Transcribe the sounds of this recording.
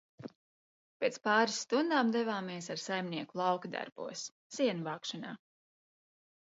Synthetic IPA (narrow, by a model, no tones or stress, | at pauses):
pʲeːt̪spɑːɾisːt̪und̪aːmd̪ɛvaːmiɛsaɾsajmniɛkulˠɑwkad̪a̰ɾb̥ṵɔsː | iɛnuvɑːkʃanaː